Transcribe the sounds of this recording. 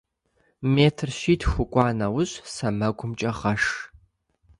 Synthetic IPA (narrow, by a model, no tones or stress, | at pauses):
meːtʰrʃiːtʰxʷʊkʷʼɑːnɐwʊɕʼsɐmɐɡʷʊmt͡ʃʼɐʁɐʂ